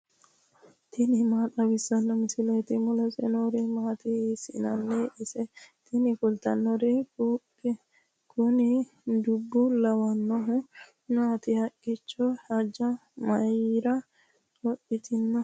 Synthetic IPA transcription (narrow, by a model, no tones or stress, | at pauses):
t̪ʰɪnɪmaːt̪ɐwɪsːɐnːɔmɪsɪlet̪ɪmʊlɔsɛ̰noɾɪmaːt̪ɪsɪnɐnːeʔɪsɛt̪ɪnɪkʊlt̪ɐnːɔɾɛk | kʊnɪ | d̪ʊbːʊlɐwɐnːɔɦʊ | naːt̪ɪhɐkʼːɪt͡ʃːɔhɐd͡ʒːɐmɐjɾɐ | kɔʔɪt̪ʰɪnːɔ